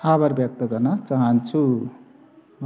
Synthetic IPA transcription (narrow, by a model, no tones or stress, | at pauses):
abʌɾbjʌk̚t̪ʌɡʌrnʌt͡saɦʌnt͡sʰu | m